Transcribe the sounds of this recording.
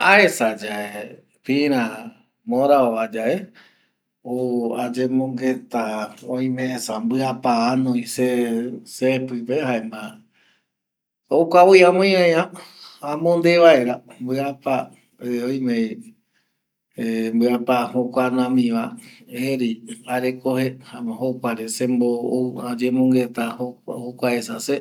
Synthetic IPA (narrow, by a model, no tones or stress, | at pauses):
aesad͡ʒae | pĩɾ̃ã | mõɾaoβad͡ʒaʔe | oad͡ʒẽmõŋɡet̪aoĩmẽsambɨapaanõĩsesepɨpehaemã | okʷawiãmõĩãjããmõnd̪eʋaeɾambɨapa | eõj̃mẽ | embɨapahokʷanãmĩʋaeɾiaɾekohehaahokʷaɾesẽmbouad͡ʒẽmõŋɡet̪ahoahokʷaesase